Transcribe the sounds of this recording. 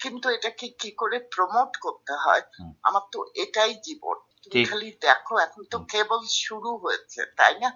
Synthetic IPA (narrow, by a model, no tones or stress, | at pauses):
kint̪ueʈakikikoɾepɾomoʈkoɾt̪eɦɔ̰ea̰maɾt̪oʔeʈajd͡ʑibo̰nt̪umikʰalid̪ɛkʰoɛkʰont̪okebolʃuɽuɦojet͡ɕʰḛt̪a̰jna